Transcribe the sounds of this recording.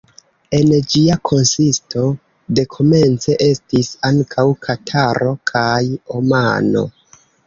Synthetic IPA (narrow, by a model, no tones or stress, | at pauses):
e̞nd͡ʒiakʰo̞nsisto̞ | de̞kʰo̞me̞nt͡se̞ʔe̞stisaŋkʰawkʰatʰaɾʔo̞kʰajo̞ma̰no̞̰